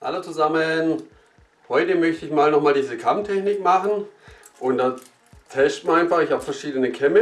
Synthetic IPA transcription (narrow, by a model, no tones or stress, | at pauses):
ʔa̰lɐt͡suzamən | hɔʏtəmœçtəɪçmaːlnɔχmaːldiːzəkʰamtʰɛçnɪkmaχn̩ | ʔʊnd̥a | tʰɛsʃtmaɐnaɪnfaχɪçhaːbfɛɐʃiːdənəkʰɛmə